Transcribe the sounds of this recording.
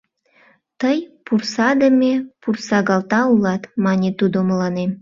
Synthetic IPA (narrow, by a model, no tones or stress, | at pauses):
t̪əjpursɑd̪əmʲepursɑɣɑlˠt̪ɑulˠɑt̪mɑnʲet̪ud̪omlˠɑne